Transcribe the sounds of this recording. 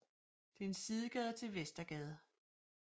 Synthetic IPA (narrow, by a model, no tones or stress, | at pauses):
d̥eensiðˠəɡ̥ɛðˠt͡sʰe̝lʋesd̥ɐɡ̥ɛð̞ˠ